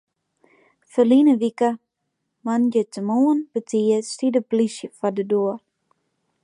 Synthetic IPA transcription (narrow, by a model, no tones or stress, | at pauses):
fəlinəʋikə | manjətəmuənb̥ətʰiəstidəplisjəfadəduər